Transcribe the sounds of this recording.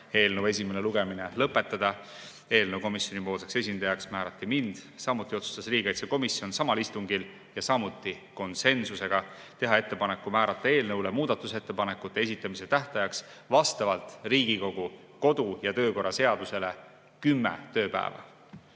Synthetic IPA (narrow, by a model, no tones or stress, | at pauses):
e̞ːlnəwe̞s̬ʲimeneluɡ̥eminelɤpːˑe̞t̪ːˑɑd̪̥ɑ | e̞ːlnəwko̞misjo̞nipo̞ːlsekse̞s̬ʲind̪̥ɑjɑksmæːɾɑt̪ːimind̪̥sɑmut̪ˑːio̞t̪su̥st̪ɑsriːɡ̥ejt̪seko̞misjo̞nsɑmɑlist̪uŋɡil | jɑsɑmut̪ːˑi | ko̞nse̞nsuse̞ɡ̥ɑ | t̪e̞ɦɑe̞t̪ːe̞pɑnekːumæːɾɑt̪ːˑɑe̞ːlnəwlemuːd̪̥ɑt̪ːˑuse̞t̪ːe̞pɑnekːˑut̪ːˑe̞es̬ʲit̪ːˑɑmise̞t̪æht̪ɑjɑks | vɑst̪ɑvɑlt̪ˑriːɡ̥iko̞ɡ̥u | ko̞d̪̥ujɑt̪ø̞ːko̞rːɑse̞ɑd̪̥use̞le̞ | kymːḛt̪ø̞ːpæ̰ḛvɑ̰